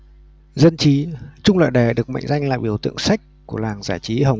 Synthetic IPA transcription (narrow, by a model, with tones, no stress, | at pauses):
zə˧nt͡ɕi˨˦t͡ɕʊ˧ŋ͡mlə̰ː˧˨jɗe˧˩ɗɨ˨˩ək̚ma̰˧˨ŋ̟za˧jŋla̰ː˧˨jɓi˧˩əwt̪ɨ̰˧˨əŋsa˦˥jk̟̚ku˧˩əlaː˨˩ŋzaː˧˩t͡ɕi˨˦ɦə˨˩w